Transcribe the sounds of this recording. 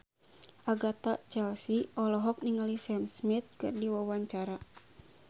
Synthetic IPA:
ʔaɡat̪at͡ʃɛlsiʔɔlɔɦɔk̚niŋalisɛmsmit̪̚kɨrdiwawaɲt͡ʃaɾa

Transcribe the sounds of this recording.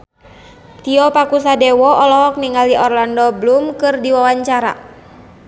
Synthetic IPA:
t̪iɔpakusadɛwɔɔlɔɦɔk̚niŋaliʔɔrlandɔblumkɨrdiwawaɲt͡ʃaɾa̰

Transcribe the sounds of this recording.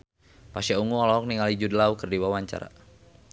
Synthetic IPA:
pasiauŋuɔlɔɔk̚niŋalid͡ʒudəlaukərdiwawaɲt͡ʃa̰ɾa̰

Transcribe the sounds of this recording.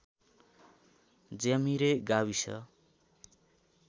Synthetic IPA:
d͡zamiɾeɡawisʰʌ̰

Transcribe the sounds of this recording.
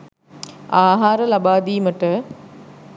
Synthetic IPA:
aːɦaːɾəlabaːd̪iːməʈə

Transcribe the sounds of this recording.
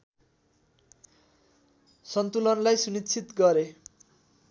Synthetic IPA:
sʌnt̪ulʌnlajsunit̪ːt͡sʰit̪ɡʌɾe

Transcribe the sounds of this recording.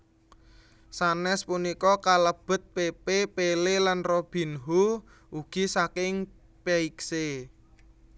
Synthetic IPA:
sanɛspunikɔkaləb̥ə̤t̪̚pepepelelanrob̥i̤nɦu | uɡ̥i̤sakɪŋ | peikse

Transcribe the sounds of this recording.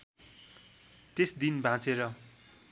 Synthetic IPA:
t̪esd̪inbʱãt͡seɾʌ

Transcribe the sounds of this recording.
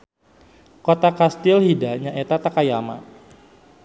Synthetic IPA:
kot̪akast̪ɪlhidaɲaʔet̪at̪akajama̰

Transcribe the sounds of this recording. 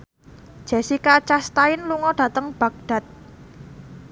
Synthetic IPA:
ʒ̥e̤sikat͡ʃast̪aɪnluŋɔɖ̥ä̤t̪əŋb̥ä̤k̚ɖ̥a̤t̪̚

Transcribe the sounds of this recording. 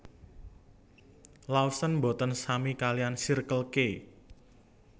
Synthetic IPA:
lausənbo̤t̪ənsamikalijansirkəlke

